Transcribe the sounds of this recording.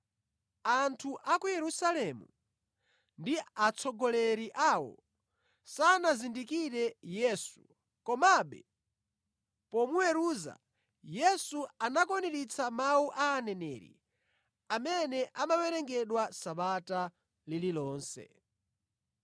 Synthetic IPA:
antʰuʔakujɛɾusalɛmṵ | ndiat͡sʰɔɡɔlɛɾiʔawɔ̰ | sanazindikiɾɛjɛsṵ | kɔmaɓɛ̰ | pɔmuwɛɾuːza̰ | jɛsuanakɔniɾit͡sʰamawuʔaːnɛnɛ̰ːɾḭ | amɛnɛʔamawɛɾɛŋɡɛɗwasaɓata | lililɔːnsɛ̰

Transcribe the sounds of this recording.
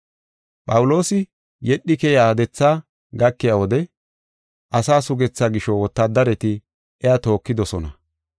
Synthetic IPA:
pʼɐwʊlo̞ːsɪ | jɛɗːɪkɛjaːd̪ɛt͡sːaː | ɡɐkːɪjawɔd̪ɛ | ʔɐsaːsʊɡɛt͡sːaɡɪʃɔwɔt̪ːad̪ɐɾɛt̪ɪ | ʔɛat̪o̞ːkːɪd̪ɔsɔnɐ

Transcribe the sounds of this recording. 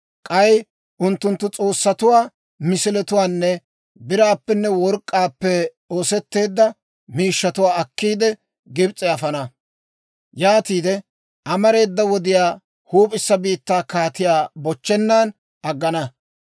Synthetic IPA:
kʼɐj | ʔʊnt̪ːʊnt̪ːʊt͡sʼo̞ːsːɐt̪ʊwaː | mɪsɪlɛt̪ʊwaːnːɛ | bɪɾaːpːɛnːɛwɔɾkʼːaːpːɛ | o̞ːsɛt̪ːe̞ːd̪ːɐ | miːʃːɐt̪ʊwaːɐkːiːd̪ɛ | ɡɪbt͡sʼɛɐfɐnɐ | jaːt̪iːd̪ɛ | ʔɐmɐɾe̞ːd̪ːɐwɔd̪ɪjaː | huːpʼɪsːɐbiːt̪ːaːkaːt̪ɪjaːbɔt͡ʃːɛnːaːn | ʔɐɡːɐnɐ

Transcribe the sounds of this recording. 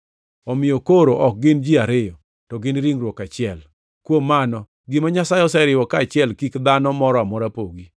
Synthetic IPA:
ɔmɪjokoɾoʔɔk̚ɡɪnd͡ʒiaɾɪjɔ | tɔɡɪnɾiŋɾwɔkat͡ʃɪɛl | kwomːanɔ | ɡɪmaɲasajɔsɛɾɪwɔkaːt͡ʃɪɛlkikd̪anɔmɔɾɔamɔɾapoɡi

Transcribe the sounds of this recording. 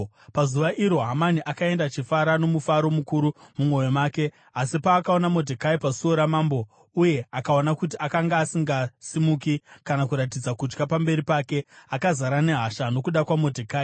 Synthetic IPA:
pazuʋaʔiɾo̞ɦamaniʔakae̞ndat͡ʃifaɾano̞mufaɾo̞mukuɾumumwo̞jemaːke̞ | asipaːkao̞namo̞dʱekaipasuoɾamaːmbo̞ | uje̞akao̞nakut̬iakaŋɡaːsiŋɡasimuːkikanakuɾatid͡zakud͡ʒɡapambe̞ɾipake̞akazaɾane̞ɦaʃano̞kuɗakwamo̞dʱekaːi

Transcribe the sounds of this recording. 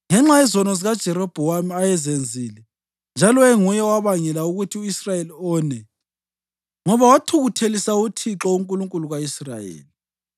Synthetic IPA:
ŋɛŋ͡ǁajɛzɔnɔziɣad̥ʒ̥ʱɛɾɔb̥ʱuwamiajɛzend͡zʱiːlɛ | nd͡ʒʱalɔeŋujɛwaβaŋɛlauɣutʰiuisrajeliɔːnɛ | ŋɔβawatʰuɣutʰelisautʰiǁɔuŋkʼuluŋkʼuluɣaisra̰jḛːli

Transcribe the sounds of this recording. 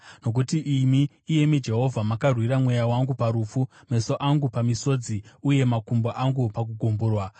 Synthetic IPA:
no̞k̬utiʔimiː | je̞mid͡ʒe̞ɦo̞vʱamakarwiɾamwe̞jawaŋɡupaɾufu | me̞so̞ʔaŋɡupamiso̞d͡ziuje̞makumboʔaŋɡupak̬uɡʱumbuːrwa

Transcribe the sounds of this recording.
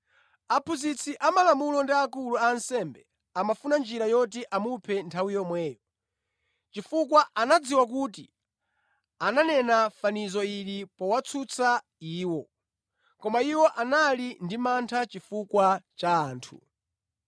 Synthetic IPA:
apʰuzit͡sʰiʔamalamulɔndiakuluansɛmbɛ | amafunand͡ʒiɾajɔt̬iʔamupʰɛntʰawijɔmwɛːjɔ | t͡ʃifukwaʔanad͡ziwak̬uti | ananɛnafanizɔiɾipɔwat͡sʰut͡sʰa | iːwɔ | kɔmaiwɔʔanalindimantʰat͡ʃifukwat͡ʃaːntʰu

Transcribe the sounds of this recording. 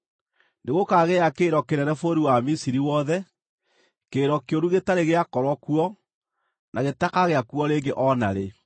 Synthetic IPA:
neɣokaɣeakeːɾɔkenɛnɛfoɾiwamisiɾiwɔðɛ | keːɾɔkeoɾuɣetaɾeɣeakɔɾwɔkuɔ | naɣetakaɣeakuɔɾeːŋɡeʔɔnaɾe

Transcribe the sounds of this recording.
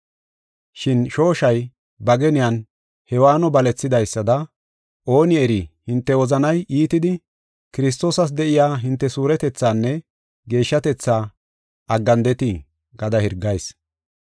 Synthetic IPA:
ʃɪnʃo̞ːʃɐj | bɐɡɛnɪjan | hɛwaːnɔbɐlɛt͡sːɪd̪ɐjsːɐd̪ɐ | ʔo̞ːnɪɛɾihɪnt̪ːɛwɔzɐnɐjʔiːt̪ɪd̪ɪ | kɪɾɪs̬t̪o̞ːsɐs̬d̪ɛʔɪjaːɦɪnt̪ːɛsuːɾɛt̪ɛt͡sːaːnːɛ | ɡe̞ːʃːɐt̪ɛt͡sːaː | ɐɡːɐnd̪ɛt̪i | ɡɐd̪ɐhɪɾɡːɐjs

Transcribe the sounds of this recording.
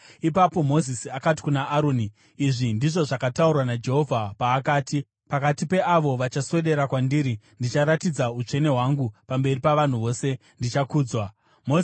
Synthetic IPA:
ipapo̞mo̞zisiakat̬i̥kunaʔːɾoniː | ʐindiʐo̞ʐakataurwanad͡ʒe̞ɦo̞vʱapaːkaːti | pakatipe̞ʔaʋo̞ʋat͡ʃaswe̞ɗe̞ɾakwandiɾi | ndit͡ʃaɾatid͡zaut͡ʂe̞ne̞ɦwaŋɡupambe̞ripaʋan̤uʋo̞ːse̞ | ndit͡ʃakuːd͡zwa | mo

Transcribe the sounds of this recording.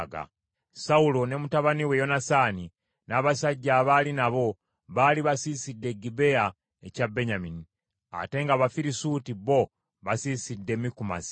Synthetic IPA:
ɡa̰ | saulo̞ne̞mutaβaniwe̞jo̞nasaːni | naːβasaɟːaːβalinaβo̞ | βaːliβasiːsidːe̞ɡibe̞a | ecabe̞ɲamini | a̰te̞ŋɡaβafiɾisutiβo̞ | βasiːsidːe̞mikuma̰zi̥

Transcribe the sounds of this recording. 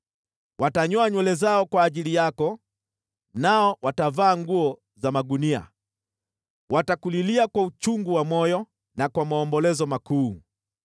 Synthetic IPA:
wataɲɔaɲwɛlɛzaɔkwaːʄilijakɔ | naɔwatavaːŋɡuɔ | zamaɡunia̰ | wʔatakuliliakwaut͡ʃuŋɡuwamɔjɔ | nakwamaɔmbɔlɛzɔmakuː

